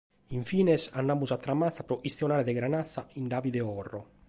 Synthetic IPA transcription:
iɱfiːnesanːamuzat̪ːɾamaθapɾɔʔist̪jonaːɾed̪eɡɾanaθːaind̪avid̪eɔrːo

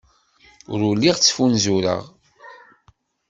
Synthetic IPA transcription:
ʊ̰ɾulːiʁt͡sːfunzuɾə̰ʁ

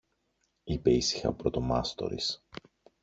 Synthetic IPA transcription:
ipe̞isi̥xɐ̰pɾot̪omɐ̰st̪o̞̰ɾḭs

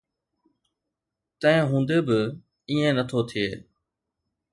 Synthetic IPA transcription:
t̪ə̃ɦɪ̃ɦũːnd̪eːbɪ | iːẽnət̪ʰot̪ʰijeː

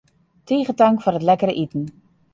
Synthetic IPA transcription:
tiːχətaŋkfʊrətlɛkəɾəʔitn̩

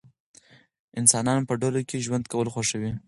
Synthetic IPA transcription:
ɪnsɑnɑnpəɖalokeʒwand̪kawəlxoʃəwi

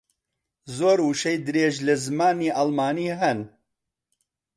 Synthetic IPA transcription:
zoːɾuʃejd̪ɨɾeːʒlɐzɨmaːniːʔalmaːniːɦɐn

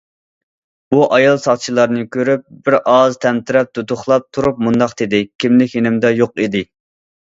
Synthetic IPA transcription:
buʔɑjɑlˠsɑʁt͡ʃʰilˠɑɾnɨkʲʰøɾyp̚bɪɾɑzt̪ʰɛmt̪ʰɪɾɛp̚d̪̥ut̪ʊχlˠɑp̚t̪ʰuɾup̚mund̪ɑqt̪ɪd̪ɪkʲʰimlɪkʲjenɪmd̪ɛjoqid̪ɪ

